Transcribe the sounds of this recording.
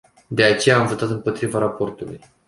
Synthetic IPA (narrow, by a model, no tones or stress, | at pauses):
d̪e̞at͡ʃe̞jaːmvo̞t̪at̪ɨmpo̞t̪ɾivaɾapo̞rt̪ulṵj